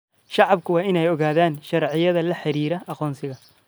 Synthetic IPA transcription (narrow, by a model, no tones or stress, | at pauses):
ʃɑʕɑb̚kʰʊwɑːɪnɛjɔɣaːðaːnʃɑɾʕɪjɐðɐlɐħɪɾiːɾɐɑqɔːnsɪɣɐ